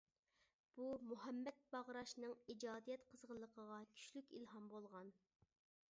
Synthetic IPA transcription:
b̥umuɦɛmːɛt̪̚b̥ɑʁɾɑʃnɨŋid͡ʒɑːd̪ijɛt̪qʰəzʁəlˠːəqʰəʁɑkʲʰy̥ʃlykʲḭlɦɑmbolˠʁɑn

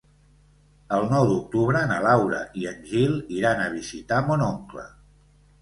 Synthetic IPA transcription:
əlˠnɔwd̪uk̚t̪uβɾəːnəlawɾə̰ʔiənʲʒilˠiɾanəβ̞izit̪amonɔŋklə̰

